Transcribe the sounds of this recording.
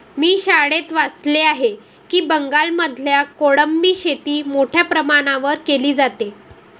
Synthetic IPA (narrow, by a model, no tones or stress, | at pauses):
miːɕaɽet̪ʋasleaɦe | kiːbəŋɡalməd̪ʱljakoɽəmːiːɕet̪iːmoʈʰjapɾəmaɽ̃aʋəɾkeliːd͡zat̪e